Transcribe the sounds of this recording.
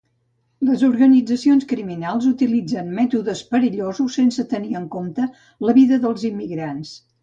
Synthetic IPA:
ləzuɾɣənid͡zəsionskɾiminalˠzut̪ilid͡zənmɛt̪uðəspəɾiʎozusːensət̪əniəŋkomt̪ə | ləβiðəðəlˠzimːiɣɾans

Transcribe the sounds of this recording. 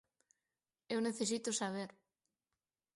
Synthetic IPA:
ewneθes̬it̪osaβ̞eɾ

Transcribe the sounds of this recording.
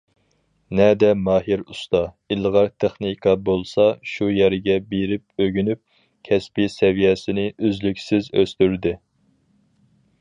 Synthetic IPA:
nɛd̪ɛmɑːɦiɾust̪ɑ | ilˠʁɑɾt̪ʰeχnikʰɑbolˠsɑʃujɛɾɪɡʲɛbeɾɪp̚øɡʲynyp̚ | kʲʰɛspisɛvijɛsɪnɪʔøzlykʲsɪzøst̪yɾd̪ɪ

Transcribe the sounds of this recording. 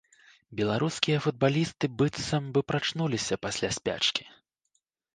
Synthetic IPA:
bʲɛlˠaɾuskʲijɐfud̪̚balʲist̪ɨbɨt̪sɐmvɨpɾat͡ʂnulʲisʲɐpasʲlʲasʲpʲa̰t͡ʂkʲi̥

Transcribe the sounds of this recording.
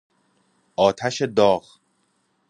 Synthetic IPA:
ʔɒːt̪ʰæʃe̞d̪ɒːɣ

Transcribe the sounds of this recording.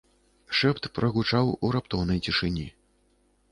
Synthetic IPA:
ʂɛpt̪pɾʔɐɣut͡ʂawuɾapt̪ɔwnɐjt͡sʲiʂɨnʲi

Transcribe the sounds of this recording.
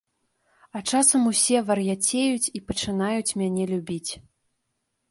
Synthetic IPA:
ɐt͡ʂasɐmusʲɛvɐrjat͡sʲejut͡sʲipɐt͡ʂɨnajut͡sʲmʲanʲɛlʲubʲit͡sʲ

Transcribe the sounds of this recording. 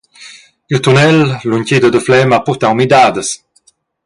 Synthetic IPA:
iʁt̪unɛllunʲcid̪əd̪əflɛmapɔʁt̪awmid̪aːd̪əs

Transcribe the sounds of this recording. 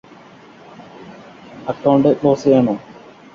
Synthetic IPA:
ɐkːɐːɳɖɨkloːseːɳoː

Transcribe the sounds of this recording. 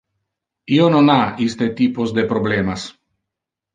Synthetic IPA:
iononaist̪et̪iposd̪epɾoblemas

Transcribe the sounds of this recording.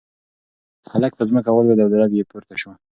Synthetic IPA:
halak̚p̪əzməkawald̪ad̪awd̪alɑd̪jepuɾt̪aʃwa

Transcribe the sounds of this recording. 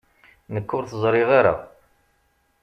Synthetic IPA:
nəkːʊɾθəzˤɾˤɪʁaɾa̰

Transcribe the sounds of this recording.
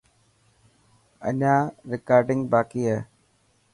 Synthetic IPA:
ɐ̰ɲaːɾɪkaːɾɖiŋɡbaːkijə

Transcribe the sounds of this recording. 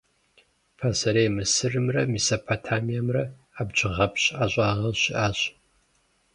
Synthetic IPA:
pʰasɐɾejmɨsɨrɨmrɐmisopʰotʰaːmijɛmrɐ | aːbd͡ʒʼɪʁɐpɕaːɕʷʼɑːʁɐɕɪʔaːɕ

